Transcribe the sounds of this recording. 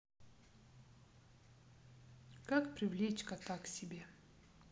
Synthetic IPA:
kakpɾʲɪvlʲet͡ɕkɐt̪aksʲɪbʲe

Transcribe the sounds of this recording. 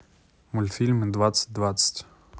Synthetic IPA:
mʊlʲfʲilʲmɨd̪vat̪sə̥t̚ʲd̪vat̪sə̥tʲ

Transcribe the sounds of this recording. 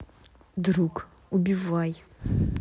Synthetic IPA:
d̪ɾuk | ubʲivaj

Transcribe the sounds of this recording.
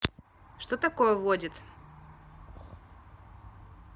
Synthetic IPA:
ʂt̪ot̪ɐkojəvodʲɪt̪

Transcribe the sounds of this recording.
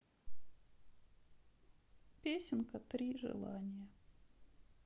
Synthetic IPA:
pʲesʲɪnkət̪ɾʲiʐɨ̰lˠanʲɪjə

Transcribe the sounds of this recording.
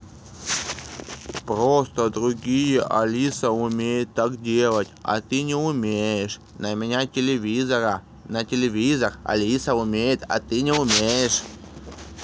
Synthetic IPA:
pɾost̪əd̪ɾʊɡʲijəʔɐlʲisəʊmʲejɪt̪ːakdʲe̞lˠətʲɐ̰t̪ɨnʲɪʊmʲejɪʂ | nəmʲɪnʲatʲɪlʲɪvʲizəɾə | nətʲɪlʲɪvʲizərɐ̰lʲisəʊmʲejɪt̪a̰t̪ɨnʲɪʊmʲejɪʂ

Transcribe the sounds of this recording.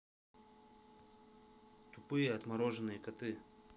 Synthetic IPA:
t̪ʊpɨjəɐt̪mɐɾoʐɨnːɨjəkɐt̪ɨ

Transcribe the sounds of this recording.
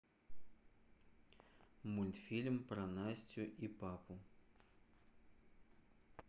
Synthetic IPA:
mulʲt̪fʲilʲmpɾɐnasʲtʲʊʔipapʊ

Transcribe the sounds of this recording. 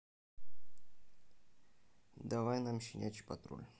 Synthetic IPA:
d̪avajnamɕinʲat͡ɕpat̪ɾṵlʲ

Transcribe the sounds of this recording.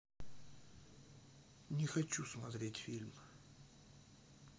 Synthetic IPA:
nʲɪxɐt͡ɕːusmɐt̪ɾʲetʲfʲilʲm

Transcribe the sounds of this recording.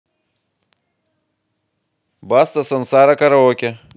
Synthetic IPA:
bast̪ɐsɐnsaːɾakɐɾɐokʲe

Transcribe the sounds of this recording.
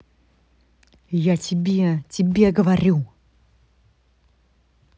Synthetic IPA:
jatʲʰɪbʲetʲɪbʲeɡəvɐɾʲu

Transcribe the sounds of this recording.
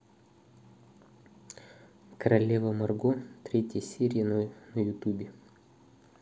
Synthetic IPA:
kɐɾɐlʲeːʋomɐɾɡʊt̪ʲɾʲɛt̪ʲisʲiːɾʲɪjɛnunʊjʊt̪uːbʲiː

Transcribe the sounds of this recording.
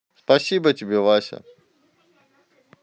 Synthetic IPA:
spɐsʲibətʲɪbʲevasʲə̰

